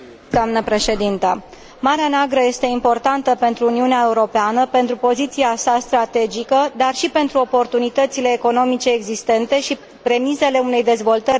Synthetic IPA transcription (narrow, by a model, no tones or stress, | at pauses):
d̪̥oamnəpɾe̞ʃe̞d̪int̪ə | maɾeaneaɡɾəje̞st̪e̞impo̞rt̪ant̪əpe̞nt̪ɾuːniuneae̞uɾo̞peanəpe̞nt̪ɾupo̞zit̪siasast̪ɾat̪e̞d͡ʒikəd̪arʃipe̞nt̪ɾuo̞po̞rt̪unit̪ət̪sile̞ːko̞no̞mit͡ʃe̞ːɡzist̪e̞nt̪e̞ʃi | pɾe̞mise̞le̞une̞jd̪e̞zvo̞lt̪ərʲ